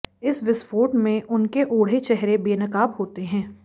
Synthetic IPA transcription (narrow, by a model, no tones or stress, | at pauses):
ɪsʋɪsfoːʈmẽʔʊnkeʔoːɽ̤et͡ʃɛɦɾebeːnɐkaːbɦoːt̪eɦɛ̃ː